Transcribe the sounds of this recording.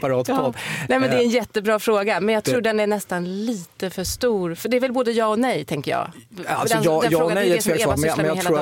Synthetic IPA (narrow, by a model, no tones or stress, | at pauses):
paɾɑːt̪pʰɔd̪nɛːjmɛnd̪ɛːɾɛnjɛt̪ːəbɾɑːfɾoːɡamɛnjɑːɡt̪ʰɾuːɖɛnæɳɛst̪anliːt̪əfœʂt̪uːɾfœɖɛːɾvɛlboːd̪əjɑːɔnɛjt̪ʰɛŋkəjɑ̰ːa̰lsdɔnɑːɛjfːoːɡnɛɛːlːɛɛnjɑeːluːɾa